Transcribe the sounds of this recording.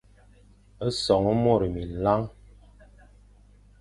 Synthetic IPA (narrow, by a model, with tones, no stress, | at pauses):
ə˦sɔ˨ŋə˦mo˦˨ɾi˨mi˨n˨la˦ŋ